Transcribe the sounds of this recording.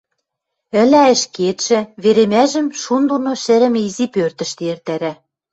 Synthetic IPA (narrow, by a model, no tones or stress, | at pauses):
ɘ̆læɘ̆ʃket̪ʃɘ̆βeɾemæʒɘ̆mʃund̪onoʃɘ̆ɾɘ̆mizipørt̪ə̆ʃt̪eert̪æɾæ